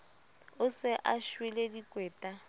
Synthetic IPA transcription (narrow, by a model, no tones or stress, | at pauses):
ʊsɪʔaʃwiledikʼwɛːtʼa